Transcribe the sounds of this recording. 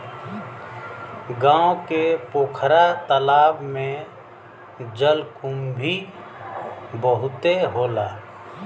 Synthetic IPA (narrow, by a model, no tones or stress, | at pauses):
ɡãːõkepoːkʰɾat̪əlaːbmẽ | d͡ʒəlkʊmbʱi | bəɦʊt̪eɦoːlaː